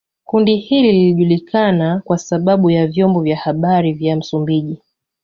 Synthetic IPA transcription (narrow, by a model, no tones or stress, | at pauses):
kundihilililiʄulikanakwasaɓaɓujavjɔmbɔvjahaɓaɾivjam̩sumbiʄi